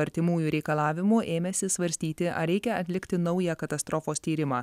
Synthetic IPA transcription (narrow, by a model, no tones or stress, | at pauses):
ɐɾʲt̪ʲɪmuːjuɾʲɛɪkɐlˠɑːʋʲɪmuʔeːmʲɛsʲɪsʋɐɾʲsʲt̪ʲiːt̪ʲɪʔɐ̰ɾʲɛɪkʲɛɐt̪ʲlʲɪkʲt̪ʲɪnɒʊjɛkɐt̪ɐst̪ɾofoːst̪ʲiːɾʲɪmɑː